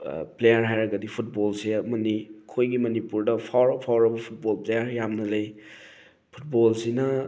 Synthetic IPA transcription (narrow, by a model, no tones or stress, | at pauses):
plejaɾɦajɾɐɡɐdipʰut̚bolsemɐnikʰojɡimɐnipuɾdɐpʰawɾɐpʰawɾɐbɐpʰut̚bolplejaɾjamnɐlej | pʰu̥t̚bolsinɐ